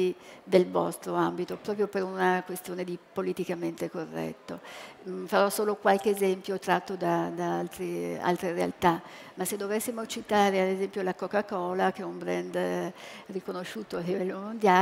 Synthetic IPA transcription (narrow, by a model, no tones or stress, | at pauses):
id̪elvɔ̰st̪ɾoambit̪opɾɔpɾjopeɾunakwest̪joːned̪ipolit̪ikament̪ekorːɛ̰t̪ːofaɾɔsoːlokwalkeːzɛmpjot̪ɾat̪ːod̪ad̪aalt̪ɾia̰lt̪ɾeɾea̰lt̪amasːed̪ːovesːimot͡ʃit̪aːɾead̪ezɛmpjolakokːakɔːlak̟eɛumbɾɛ̰nd̪ | rikonoʃːuːt̪oalːivɛlːomond̪ja